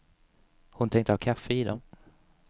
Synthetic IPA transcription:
hʊnt̪ʰɛŋkt̪əhɑːkʰafːəid̪ɔm

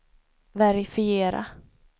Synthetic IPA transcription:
vɛɾɪfɪeːɾa̰

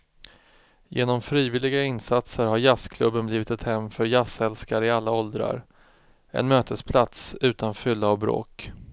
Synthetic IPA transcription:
jḛːnɔmfɾiːvɪlːɪɡaɪnsat̪səɾɦaɾjaskʰlɵbːənbliːvɪt̪ɛt̪hɛmːfœɾjashɛlskaɾɪalːaɔld̪ɾa̰ɾ | ʔɛ̰nmøːt̪ʰəspʰlat̪sʉ̟ːt̪anfʏlːaɔvbɾo̰ːk

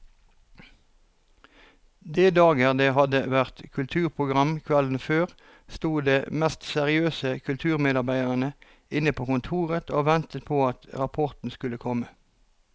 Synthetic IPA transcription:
d̪eːd̪ɑːɡəʁd̪eːhɑd̪əʋæʁt̪kʰʉlt̪ʰʉːʁpʰʁʊɡʁɑmkʰʋɛln̩føːʁ | st̪uːd̪eːmɛst̪sɛʁɪøːsəkʰʉlt̪ʰʉːʁmeːd̪ɑʁbæɪd̪əʁənə | ɪnəpʰoːkʊnt̪ʰuːʁət̪oːʋɛnt̪ət̪̚pʰoːɑt̪ʁɑpʰɔʁt̪n̩skʉləkʰɔmə

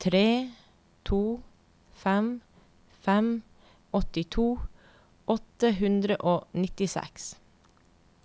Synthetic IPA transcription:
t̪ʰɾeː | t̪ʰuː | fɛm | fɛm | ɔt̪ɪt̪ʰuː | ʔɔt̪əhʉnd̪ɾəʔoːnɪt̪ɪsɛ̰ks

